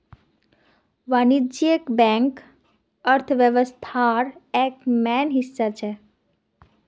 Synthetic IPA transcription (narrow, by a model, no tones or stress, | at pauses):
ʋanid͡ʒiekbɛ̃ŋk | əɾt̪ʰʋjəʋəst̪ʰaɾɛkmɛnɦisːat͡ʃʰɛ